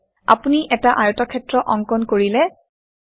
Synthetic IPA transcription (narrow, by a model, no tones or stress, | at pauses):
a̰puniʔɛtaʔajɔtɔkʰɛtɹɔʔɔŋkɔnkoɹilɛ